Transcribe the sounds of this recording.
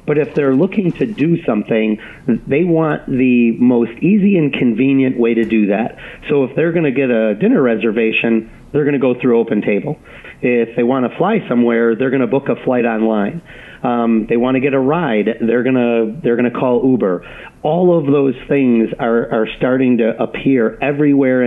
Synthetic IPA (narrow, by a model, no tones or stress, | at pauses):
b̥ʌɾɨfðə˞lʊkɪ̃ŋtʰɨdɨsʌ̃mθɪ̃ŋ | ðeɪwɑ̃nðɨmoʊstiziɨ̃nkʰɨ̃ɱvĩnjɨ̃nʔweɪɾɨdɨðæ̰t̚soʊəfðə˞ɡʌnɨɡɛɾɨdɪ̃nə˞ɹɛzə˞veɪʃɨ̃n | ðə˞ɡʌnɨɡoʊθɹʉoʊpɨ̃n̩tʰeɪbl̩ˠ | ɪfðeɪwɑ̃nəflaɪsʌ̃mwɛɹðə˞ɡʌñəbʊkəflaɪɾɑ̃nlãɪ̃n | ðeɪwɑ̃ntɨɡɛɾəɹaɪdðə˞ɡʌnəðə˞ɡʌñɨkʰɔlˠubə˞ | ɔlˠʌvðoʊz̥θɪ̃ŋzə˞ʔə˞stɑɹɾɪ̃ŋtɨʔəpʰɪɹɛvɹiwɛɹ